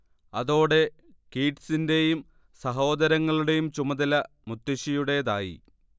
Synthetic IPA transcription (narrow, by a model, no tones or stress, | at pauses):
ɐðo̞ːɽe̞ | kiːʈsinde̞jum | sɐɦo̞ːd̪ɐɾɐŋːɐɭuɽe̞jumt͡ɕumɐðɐlɐ | mut̪ːiɕijuɽe̞ðaːjḭ